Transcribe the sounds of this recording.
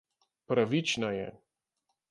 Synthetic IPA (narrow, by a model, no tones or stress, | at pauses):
pɾaʋit͡ʃnajɛ̰